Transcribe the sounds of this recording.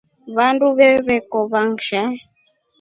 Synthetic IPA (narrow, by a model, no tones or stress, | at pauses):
βanduβɛβɛkɔβaŋʃa